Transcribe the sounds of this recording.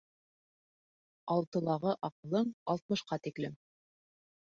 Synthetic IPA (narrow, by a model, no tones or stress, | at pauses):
ɑlˠt̪ɤ̆lˠɑʁɤʔɑqɤ̆lˠɤɴɑlˠt̪̚mɤ̆ʃqɑt̪iklɘm